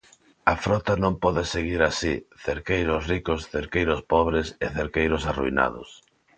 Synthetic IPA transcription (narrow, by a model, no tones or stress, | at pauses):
ɐfɾɔt̪anõmpɔðeseɣ̞iɾasiθeɾkejɾʊsrikosθeɾkejɾʊspɔβɾeseθeɾkejɾʊsaruina̰ðʊ̰s